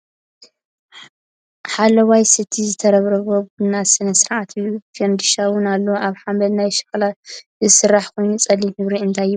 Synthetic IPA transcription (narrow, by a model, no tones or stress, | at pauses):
ħalɐwajsɨt̪ʰizɨt̪ʰɐɾɐβɾɐβobunasɨnɐsɨɾʔat̪ʰufend̪ɨʃawʊnalːɐʔaβħambɐlnajʃɨ̥kʼɐlazɨsɨrːaħkʰojnut͡sʼɐlːimhɨβɾiɨnt̪ʰajːɪβ